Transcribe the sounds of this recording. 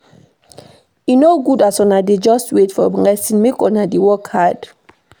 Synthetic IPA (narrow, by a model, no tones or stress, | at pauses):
inoɡudasɔ̃naded͡ʒɔstwetfɔblɛsĩnmekɔ̃nadewɔkhad̥